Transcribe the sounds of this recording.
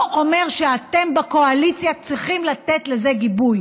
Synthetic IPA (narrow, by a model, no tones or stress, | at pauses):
o̞me̞ʁʃeate̞mbako̞alit͡sjat͡ssʁiχimlat̪etle̞zeɡibuj